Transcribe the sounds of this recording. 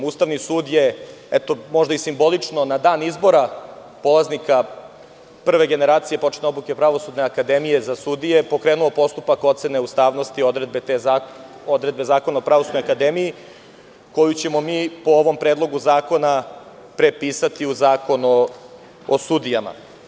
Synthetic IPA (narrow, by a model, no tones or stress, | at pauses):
uːst̪aʋnisuːd̪je̞et̪o̞mo̞ʒd̪aisimbo̞lit͡ʂno̞nad̪aːnizbo̞ɾa | po̞lˠaznika | pr̩ʋe̞ɡe̞ne̞ɾaːt̪sije̞po̞t͡ʂneobluke̞pɾaʋo̞sud̪neakad̪emije̞zasud̪ije̞po̞kɾeːnuo̞po̞st̪upako̞t̪sene̞ust̪aːʋno̞st̪iod̪ɾed̪̚be̞t̪e | od̪ɾed̪be̞zaːko̞naopɾaʋo̞sud̪nojakad̪emiji | ko̞jut͡ɕe̞mo̞miːpooʋo̞mpɾe̞ːd̪lˠo̞ɡuzaːko̞na | pɾe̞piːsat̪iuzaːko̞nu | osud̪ijama̰